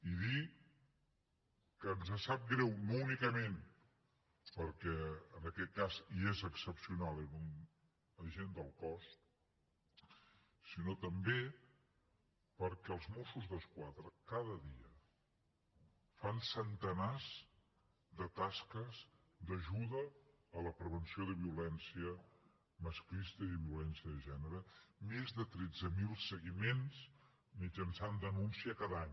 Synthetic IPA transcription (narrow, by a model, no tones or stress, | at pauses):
iði | kəːnzəsap̚ɡɾɛwnounikəmen | pəɾkɛənəkɛt̪̚kaziezəksəpsiunalˠenun | əʒend̪əlˠkɔst̪ | sinot̪əmbe | pəɾkɛəlˠzmosuzðəskwaðɾəkaðəðiə | fansənt̪ənaz | d̪ət̪askəz | d̪əʒuðəː | ləpɾəβənsioðəβiulɛnsiə | məsklist̪əiðβiulɛnsiəðəʒɛnəɾəmezðət̪ɾɛd͡zəmilˠsəɣimenz | mid͡ʒənsand̪ənunsiəkaðaɲ